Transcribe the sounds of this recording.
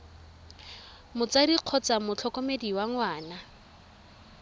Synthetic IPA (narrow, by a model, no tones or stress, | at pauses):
mʊt͡sadiq͡χʰɔt͡samʊt͡ɬʰɔkɔmediwaŋwaːna